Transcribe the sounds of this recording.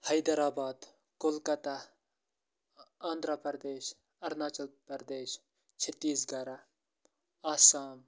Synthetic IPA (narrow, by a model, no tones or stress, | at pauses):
hɐjd̪ɐɾaːbaːd̪ | kʊlkɐt̪a | aːnd̪ɾɐpɐɾd̪eːʃ | ɐɾnaːt͡ʃɐlpɐɾd̪eːʃ | t͡ʃʰɐt̪ːiːsɡɐɾa | aːsaːm